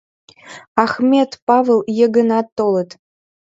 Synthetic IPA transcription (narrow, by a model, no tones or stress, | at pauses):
ɑxmʲet̪pɑvelˠjə̆ɡənɑt̪ːolət̪